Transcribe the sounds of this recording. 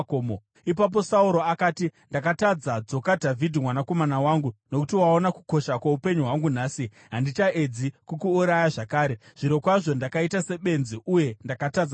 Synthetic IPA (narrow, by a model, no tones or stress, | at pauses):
omo | ip̬ap̬o̞sauɾo̞akaːtindakatad͡zad͡zo̞kadʱavʱidʱimwanako̞manawaːŋɡuno̞kutiwaonaku̥ko̞ʃakwaupe̞ɲuɦwaŋɡunaːsi | ɦandit͡ʃaʔed͡zikukuːɾajaʐakaːɾeʐ̥iɾokwaʐo̞ndakaitase̞ɓe̞nziʔuje̞ndakatad͡za